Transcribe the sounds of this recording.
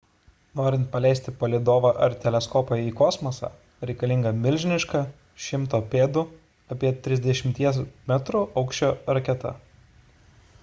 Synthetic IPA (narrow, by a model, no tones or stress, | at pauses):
noːɾʲɪnt̪̚pɐlʲɛˑɪsʲt̪ʲɪpɐlʲid̪oːʋɐʔɐɾt̪ʲɛlʲɛskɔːpɐiːkɔːsmoːsɑ̰ː | ɾʲɛɪkɐlʲɪŋɡɐmʲɪlʲʒʲɪnʲɪʃkɑ | ʃʲɪmt̪oːpʲeːd̪ʊ | ɐpʲiɛt̪ʲɾʲɪzʲd̪ʲɛʃʲɪmʲt̪ʲiɛsmʲɛt̪ɾuʔɐʊkʃʲt͡ʃʲoːɾɐkʲɛt̪ɐ̰